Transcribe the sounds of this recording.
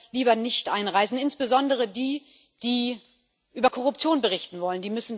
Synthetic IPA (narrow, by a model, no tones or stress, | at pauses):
liːbɐnɪçtʔaɪnʁaɪzn̩ɪnsb̥əzɔndəʁ̞ədiː | d̥iː | ʔyːbɐkʰɔʁ̞ʊp̚t͡sjoːnbəʁɪçtn̩vɔləndiːmʏsn̩